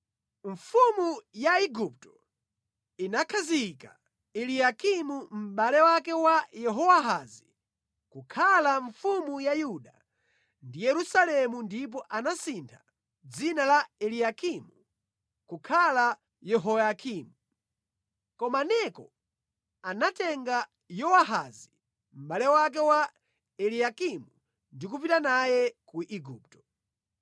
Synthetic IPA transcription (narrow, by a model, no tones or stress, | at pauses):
ɱfumujaiɡup̚tɔ̥ | inakʰazika̰ | ɛlijakimum̩ɓalɛwakɛwajɛɦɔwaɦazi | kukʰalaɱfumujajuɗa | ndijɛɾusalɛmundip̬ɔʔanasintʰa | d͡zinalaɛlijakimu | kukʰala | jɛɦɔjakʰimu | kɔmanɛkɔ | anatɛŋɡa | jɔwaɦazi | m̩ɓalɛwak̬ɛwa | ɛlijakimu | ndikup̬itanajɛkuʔiɡuːp̚tɔ̥